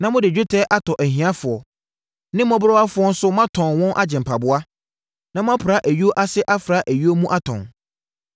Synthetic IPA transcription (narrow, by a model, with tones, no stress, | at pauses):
nã˨mʊ̃˦dɪ˨d͡ʑᶣu˦tʰɛ˦ʔa˦tʰɔ˨ʔæ˨ɦĩ˨ã˦fʊ˨ɔ˨ | nɪ̃˦mɔ̃˦bɾɔ˦a˦fʊ˨˦ɔ˦n̩˦sʊ˦mã˦tʰɔ̃˨nwɔ̃˦nʔa˦d͡ʑɪ̃˨m˨pʰa˨bʊ˦a˦ | nã˨˦mʊ̃˦ã˦pʰɾa˨˦ʔæ˨ɥi˦o˦ʔa˦sɪ˦ʔa˦fɾa˦ʔæ˨ɥi˦o˦mũ˦ʔa˦tʰɔ̰̃˨n